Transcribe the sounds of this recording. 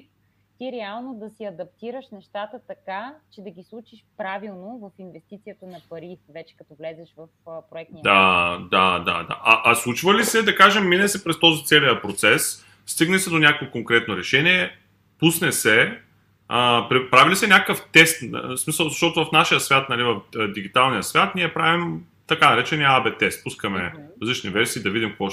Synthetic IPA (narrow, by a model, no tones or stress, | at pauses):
t̪iɾɛalˠnod̪ɐsiɐd̪ɐp̚t̪iɾəʃnɛʃt̪at̪ət̪ɐkat͡ʃɛd̪ɐɡʲislˠut͡ʃiʃpɾavilˠnovɐfinvɛst̪it̪sijət̪ənɐpɐɾivɛt͡ʃɛ̥kɐt̪ɔvlɛzɛʃvɐfpɾoɛk̪̚id̪ad̪ad̪a̰d̪a̰ʔɐʔɐslˠut͡ʃvəlisɛd̪ɐkaʒɛmːinɛsɛpɾɛst̪ɔzit̪sɛlijəpɾot̪sɛsː | t̪iɡnlisɛd̪onʲakovɛkoŋkɾɛt̪noɾɛʃɛniɛ | pusnɛsɛ | əpɾipɾavilisɛnʲakəkəft̪ɛst̪smisɐlˠzɐʃt̪ɔt̪ʊvɐfnaʃijəsvʲat̪nɐlivɐfd̪iɡit̪alˠnijəsvʲat̪niɛpɾavim | t̪ɐkanɐɾɛt͡ʃɛniabɛt̪ɛst̪̚puskɐmɛɐzlit͡ʃnivɛɾsiːd̪ɐvid̪ʲimkvɔ